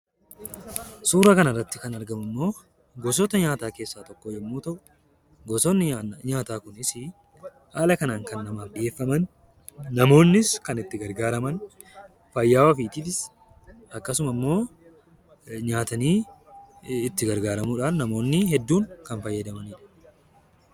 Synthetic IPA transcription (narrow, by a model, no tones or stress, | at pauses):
suːɾɐkɐnɐrːɐt̪ːɪkɐnɐɾɡɐmɐmːo̞ː | ɡɔs̬ɔt̪ɐɲaːt̪aːke̞ːsːaːt̪ɔkːoːd͡ʒɛmːuːt̪ɐʔʊ | ɡɔsɔnːɪɲaːt̪aːkʊnɪsɪ | haːlɐkɐnaːŋkɐnːɐmaːfbɪʔe̞ːfːɐmɐnː | ɐmo̞ːnːɪskɐnɪt̪ːɪɡɐɾɡaːɾɐmɐn | fɐjːaːwɐfiːt̪ilɪs | ɐkːɐsʊmɐmːo̞ː | ɲaːt̪ɐniː | ɪt̪ːɪɡɐɾɡaːɾɐmuːᶑaːnnɐmo̞ːnːɪhɛd̪ːuːŋkɐnfɐjːɐd̪ɐmɐniːᶑɐ̥